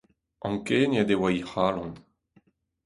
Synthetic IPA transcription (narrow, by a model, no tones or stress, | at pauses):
ɑ̃ŋkeːnad̪ewaihaːlɑ̃n